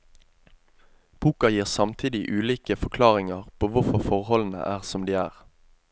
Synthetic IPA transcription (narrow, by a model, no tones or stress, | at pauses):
b̥uːkɑjiːʁsɑmt̪ʰiːd̪ɪʔʉːliːkəfɔkʰlɑːʁɪŋɑʁpʰoːʋʊfɔʁfɔʁhɔln̩ə̰ʔæːʁsɔmd̪iːæːʁ